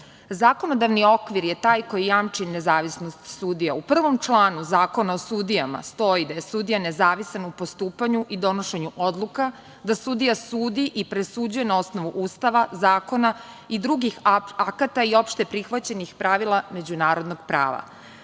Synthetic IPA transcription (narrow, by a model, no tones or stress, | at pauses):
zaːko̞no̞d̪aʋnio̞kʋiɾjet̪aːjko̞jijamt͡ʂine̞zaːʋisnost̪sud̪ijaupr̩ʋo̞mt͡ʃlˠaːnuzaːko̞naosud̪ijama̰st̪o̞id̪aje̞sud̪ijane̞zaːʋisanupo̞st̪uːpaɲuʔid̪o̞no̞ʃe̞ɲuʔod̪lˠuka | d̪asud̪ijasuːd̪iʔipɾesuːd͡ʑuje̞nao̞sno̞ʋuʔuːst̪aʋazaːko̞na | id̪ɾuɡixakat̪aio̞pʃt̪e̞pɾixʋat͡ɕe̞nixpɾaʋilˠame̞d͡ʑunaːɾo̞d̪no̞ɡ̥pɾa̰ːʋa̰